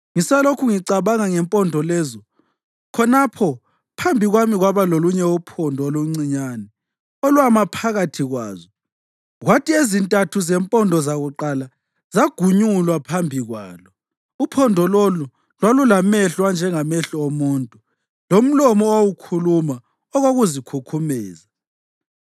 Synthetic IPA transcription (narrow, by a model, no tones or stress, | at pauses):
ŋisalokʰuŋiǀaβaŋaŋɛmpʼɔndʱɔlɛːzɔ | kʰɔnapʰɔ | pʰambʱiɣwamiɣwaβaloluɲɛupʰɔndʱɔoluŋ͡ǀiɲanɛ | olwamapʰaɣatʰiɣwa̰ːzɔ | ɣwatʰʼiezintʼatʰuzɛmpʼɔndʱɔzaɣuǃala | zaɡ̥ʱuɲulwapʰambʱiɣwa̰ːlɔ | upʰɔndʱɔlolu | lwalulamɛɬwand͡ʒʱɛŋamɛɬɔomuːntʼu | lom̩lɔmɔowukʰuluma | ɔɣoɣuzikʰukʰumɛːza